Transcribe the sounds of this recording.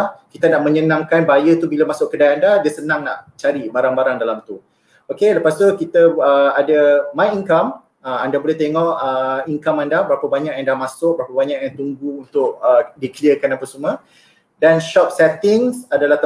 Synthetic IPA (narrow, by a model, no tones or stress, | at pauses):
kit̪anaʔmə̃ɲənãŋkanbajət̪ubilamasʊʔkədajandadiasənãŋna̰ʔt͡ʃaɾibaɾaŋbaɾaŋdalamt̪u | okeləpast̪ukit̪əːadəmajiŋkam | əandabolɛht̪eŋɔʔəiŋkamandabəɾapabaɲãʔjandamasʊk̚bəɾapabaɲaʔjaŋt̪uŋɡuunt̪ʊʔ̚ədikəliəkanapasumə̃ | danʃɔp̚sɛt̪ɪŋsadalaht̪